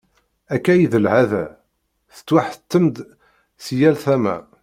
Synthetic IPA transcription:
ækːæjðəlʕæðæ̰ | θə̥t͡s̪ːwaħət̪ːəmd̪ | sjælθæmæ̰

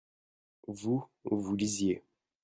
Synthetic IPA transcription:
vuvulizje

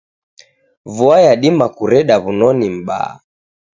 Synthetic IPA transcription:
vuajaɗimakuɾɛɗaβunɔnim̩ɓa̰a̰

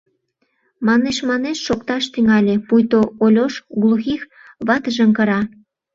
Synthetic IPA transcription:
mɑneʃmɑneʃʃokt̪ɑʃt̪yŋɑlʲepujt̪oolʲoʃɣlˠuxix | βɑt̪əʒə̆ŋkə̆ɾɑ

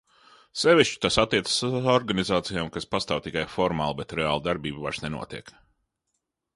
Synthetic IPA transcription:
sevʲiʃt͡ʃi̥t̪asat̪ːiɛt̪sə̥suɔɾɡanizaːt̪sijaːmkaspast̪aːwt̪ikajfɔɾmaːlˠbɛt̪ɾea̰ːlˠd̪aɾbiːbvaɾ̥snenṵɔt̪iɛk

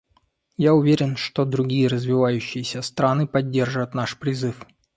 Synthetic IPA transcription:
jaʊvʲeɾʲɪnʂt̪od̪ɾʊɡʲijəɾəzvʲɪvajʉɕːɪjəsʲəst̪ɾanɨpɐdʲːe̞rʐɨvət̪naʂpɾʲɪzɨf

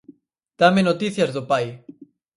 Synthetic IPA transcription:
t̪amenot̪iθjazðopaj

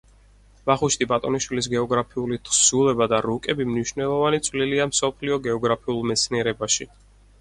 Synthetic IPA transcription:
vaχuʃt̪ibat̪ʼɔniʃwilis̬ɡɛɔɡɾapʰiulit̪ʰsulˠɛbad̪aɾukʼɛbimniʃnɛlˠɔvanit̪sʰʼwliliamsɔpʰliɔɡɛɔɡɾapʰiulˠmɛt̪sʰniɛɾɛbaʃi

